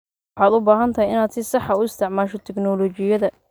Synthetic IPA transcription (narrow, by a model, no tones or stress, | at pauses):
wɑħɑːd̪ʊbaːɦɐnt̪ʰɐhɛjɪnaːd̪sɪsɑħɑʊɪst̪ʰɪʕmaːʃɔt̪ʰɛknɔːlɔːt͡ʃɪjɐðɐ